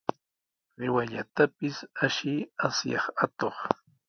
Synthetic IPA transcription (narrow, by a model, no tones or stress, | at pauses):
ɾɪwaʎat̪apɪsaʃɪasjɑχat̪oχ